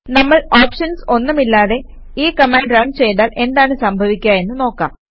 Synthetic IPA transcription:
nɐmːɐɭaːpʂɐnso̞nːumilːaːðe̞ | iːkɐmaːɳɖɾɐɳɖt͡ɕe̞jt̪aːlʔe̞nd̪aːɳɨsɐmbʱɐʋikʲːuaːe̞nːuno̞ːkːa̰ːm

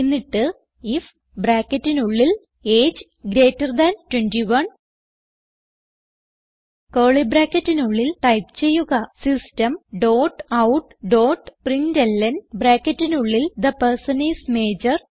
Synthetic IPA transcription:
nːiʈːɨ | if | bɾaːkːɐtːinuɭːil | eːd͡ʑ | ɡɾeːtːɐrd̪ɐntwendiʋɐn | koːɭibɾaːkːɐtːinuɭːilʈɐjpt͡ɕe̞jːuɣɐsistɐmɖoːʈɐwʈɖo̞ːʈprindɐlːɐnbɾaːkːɐtːinuɭːild̪ɐpɐrsɐnisme̞ːd͡ʑɐr

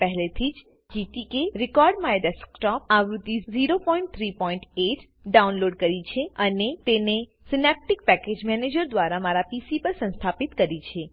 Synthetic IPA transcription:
pəɦlet̪ʰid͡ʒ | d͡ʒit̪ikeɾɪkɔɾɖmaeɖ̪ɛskʈɔpaʋɾud̪iziɾopɔiɳʈ̚t̪ʰɾipɔiɳʈeʈ | ɖaunloɖkəɾit͡ʃʰeənet̪ene | sɪnep̚ʈik̚pɛked͡ʒmɛned͡ʒəɾd̪ʋaɾamaɾapisipəɾsə̃ñst̪ʰapit̪kəɾit͡ʃʰe

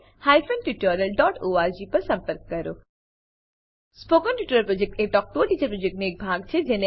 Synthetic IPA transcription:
haːifʰənʈjuːʈənəlɖɔːʈoːaːɾd͡ʒiːpɐɾsɐ̃mpəɾkːɐɾoː | spokənʈjuːʈəɾəlpɾod͡ʒek̚ʈek̚ʈɔːk̚t̪oʈiːt͡ʃəɾpɾoːd͡ʒek̚ʈneeːk̚bʱaːɡt͡ʃʰed͡ʒeːne

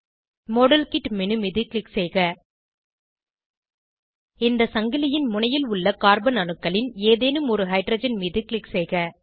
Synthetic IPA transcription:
moːɽɐlkɪʈmɪnɯmiːðɯklɪksɛjɣɐ | ɪnd̪ɐsɐŋɡɪlɪjɪnmʊɳɐjɪlʊɭːɐkaːɾbɐnɐnɯkːɐɭɪneːðeːnɯmɔɾɯɦɐɪʈɾɐːd͡ʒɐnmiːðɯklɪksɛjɣɐ

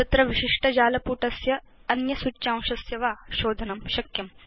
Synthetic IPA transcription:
t̪ɐt̪ɾɐʋiʃiʂʈɐd͡ʒaːlɐpuːʈɐsjɐ | ɐnjɐsutːt͡ʃaːw̃ʃɐsjɐʋaːʃoːd̪ʱɐnɐmʃɐkjɐm

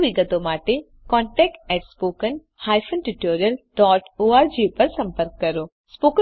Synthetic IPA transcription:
ʋɪɡət̪õmaːʈe | kɔ̃ːɳʈɛːk̚ʈɛʈspoːkən | haːjfʰənʈuʈoːɾijəlɖɔːʈoːaːɾd͡ʒiːpɐɾsɐ̃mpəɾkːɐɾoː | spoːkə

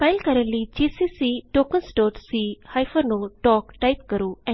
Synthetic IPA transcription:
faɪlkɐɾənlid͡ʒiːsisiʈoːkənsʈoːʈsihajfəɾnũʈɔːkʈajp̚kɐɾuɛ̃

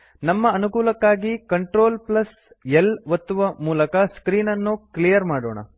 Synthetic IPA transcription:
nɐmːɐːnukuːlɐkːaːɡikɐɳʈɾo̞ːlplɐs | elʋɐt̪ːuʋɐmuːlɐkɐskɾiːnɐnːuklijɐɾmaːɽoːɳɐ̰

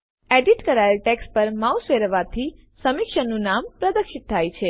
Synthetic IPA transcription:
eɖiʈkəɾajəlʈekspəɾmausʋeɾəʋat̪ʰi | səmɪkʃənːũnampɾəd̪əkʃit̪̚t̪ʰːajt͡ʃʰe

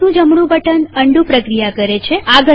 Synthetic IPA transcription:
nũd͡ʒəmɽũbəʈənəɳɖũpɾəkɾijakəɾet͡ʃʰeaɡʱə

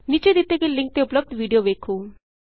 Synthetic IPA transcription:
nit͡ʃed̪it̪ːekiliŋk̚t̪eupləb̚d̪ʋiɖijoʋeːkʰuː

